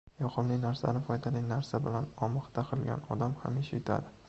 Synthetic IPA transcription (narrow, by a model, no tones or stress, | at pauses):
jɒqʰɨmlɪnaɾsa̰nɪfɒjd̪alɪnaɾsabɪlanɒmɨχt̪aqʰɨlˠɡʲa̰nɒd̪amha̰mɪʃɪt̪ʰa̰d̪ɪ